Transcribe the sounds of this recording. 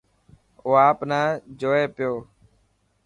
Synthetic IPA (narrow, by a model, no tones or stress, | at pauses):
oːaːpnaːd͡ʒoːeːpɪjoː